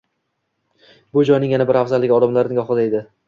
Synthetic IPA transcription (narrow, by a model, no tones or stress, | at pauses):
bʊd͡ʒɒjnɪŋjanabɪɾafzalːɪɡʲɒd̪amlaɾnɪɡɒχɨd̪ajd̪ɪ